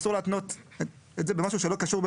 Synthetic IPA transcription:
suʁleat̪not̪ | etzebemaʃuʃelo̞kaʃuʁbe

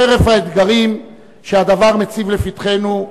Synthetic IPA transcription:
eʁe̞fhaed̪ɡaʁim | ʃead̪avaʁme̞t͡sivlefit̪χe̞nu

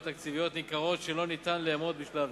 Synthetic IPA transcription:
t̪ʰakt̪ivijɔt̪nikaʁɔt̪t͡ʃelɔnit̪ʰanlemɔt̪̚biʃlav

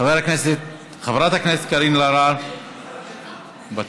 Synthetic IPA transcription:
aveɾakneset̪ | χavɾat̪hakneset̪̚kaɾinlaɾa | ba

